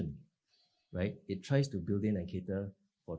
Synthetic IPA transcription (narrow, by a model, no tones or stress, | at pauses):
ə̃n | ɹaɪt̚itʰɹaɪstubildɪ̃ŋɛ̃nkʰetə | fɔ